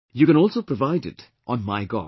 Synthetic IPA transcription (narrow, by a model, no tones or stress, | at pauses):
jukɛ̃nɔːlˠsopɹɔvaɪdɪ̰t | ʔɔ̃nmaɪɡɔ̰